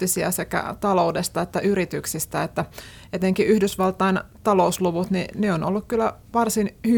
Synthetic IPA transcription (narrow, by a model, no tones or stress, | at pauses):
isiæ̰sekæ̰t̪ɑloudest̪ɑet̪ːæʔyɾit̪yksist̪æet̪ːæ | et̪eŋkiyhdysʋɑlt̪ˑɑint̪ɑlousluʋut̪nineonolːukkylːæʋɑrsinhy